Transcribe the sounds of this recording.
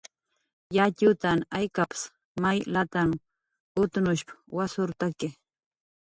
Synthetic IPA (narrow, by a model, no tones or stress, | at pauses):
jat͡ʃʊt̪anajkapɪ̥s | majlat̪aŋ | ʊt̪ʊnʊʃpwasʊɾt̪akɪ